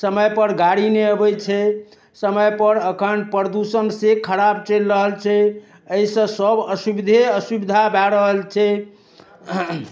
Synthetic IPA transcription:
səməjpəɾɡaɽineəbɛt͡ʃʰɛ | səməjpəɾəkʰənpɾəd̪usənsekʰəɾabt͡ʃelɾəɦəlt͡ʃʰɛ | əisə̃səbəsubid̪ʱeəsubid̪ʱabaɾəɦəlt͡ʃʰɛ

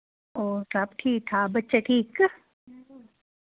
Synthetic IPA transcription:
oːɾap̚ʈʰiːk̚t̪ʰabɐtːʃaʈʰiːk

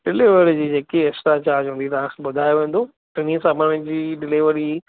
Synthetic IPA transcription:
ɖɪliʋəɾd͡ʑiːd͡ʑeːkeɛksʈat͡ɕaːɾd͡ʑɦũːnd̪it̪ɐʋ̤ãkʰẽbʊd̪ʱaːjoʋẽːnd̪o | ʈɐnisaːməɽ̃ɪ̃d͡ʑiːɖɪliʋəɾi

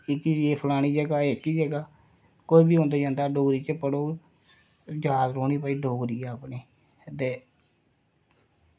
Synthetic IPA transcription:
ɪkiːeːpʰlaːɽ̃iːd͡ʒəɡaːɪkiːd͡ʒəɡaː | koibiːɦõːnd̪eːd͡ʒãːnd̪aːɖoːɡɾiːt͡ʃəpəɽoː | d͡ʒaːd̪ɾoːniːpaːiːɖoːɡɾiːɛːəpneː | t̪eː

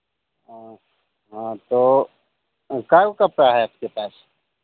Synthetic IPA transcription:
ɦã | ɦãt̪oː | kaːokɐpɾaɦɛap̚kepaːs

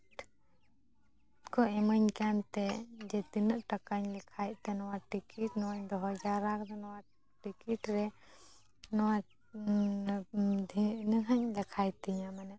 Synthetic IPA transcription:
kɔɛməɲkant̪ɛd͡ʒɛt̪inəʔʈakaɲlɛkʰajt̪̚t̪ɛnɔwaʈikiʈnɔwaɲd̪ɔɦɔd͡ʒaɾakd̪ɔnɔwa | ʈikiʈɾɛ | nɔwa | d̪ʱinəɦaɲlɛkʰajt̪ɛɲamanɛʔ

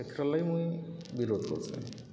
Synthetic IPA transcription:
ekʰɾalajmũĩbiɾod̪ʱkɔ̰ɾt͡ʃʰḛ̃

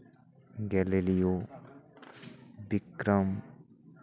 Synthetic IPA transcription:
ɡɛlelijo | bikɾəm

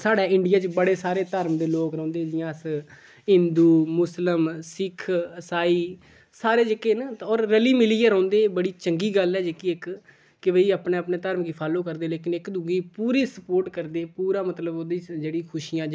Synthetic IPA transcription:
saːɽaːɪɳɖɪjaːt͡ʃbəɽeːsaːɾeːt̪əɾmd̪eːloːkɾɔ̃ːnd̪eːd͡ʒɪjãːs | ɪ̃nd̪uːmʊsləmsɪkʰəsaːiː | saːɾeːd͡ʒekeːnɔːɾːəliːmɪliːeːɾə̃ːnd̪eːbəɽiːt͡ʃəŋɡiːɡəlɛːd͡ʒekiːɪk | kɪʋəiːəpneːəpneːt̪əɾmɡiːpʰaːloːkəɾd̪eːleːkɪnɪkd̪uɡiːpuːɾiːsəpoːɾʈkəɾd̪eːpuːɾaːmət̪ləboːd̪iːd͡ʒeːɽiːkʰʊʃijãːd͡ʒ

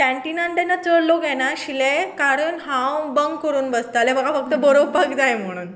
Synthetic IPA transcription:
ʈɛ̃ɳʈinaɳɖanːat͡səɽlːoɡʱɛɽ̃aɕilekaɾəɳɦãwbəŋɡkəɾuːnʋəst̪aleməɡafək̚t̪əbɔɾoʋpakd͡zajm̤əɽ̃uːn

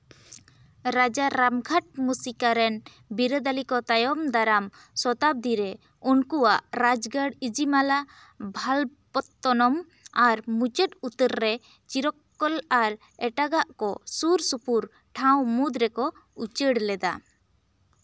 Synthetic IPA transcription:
ɾad͡ʒaɾamɡʰʱaʈ̚musikaɾɛn | biɾəd̪alikɔt̪ajɔmd̪aɾam | sɔt̪ab̚d̪iɾɛ | unkuwaʔɾad͡ʒɡəɽid͡ʒimala | bʱalpɔt̪ːɔnɔm | aɾmut͡ʃət̪ut̪əɾːɛ | t͡ʃiɾɔkːɔlaɾ | ɛʈaɡaʔkɔsuɾsupuɾ | ʈʰawmud̪ɾɛkɔ | ut͡ʃəɽlɛd̪a̰

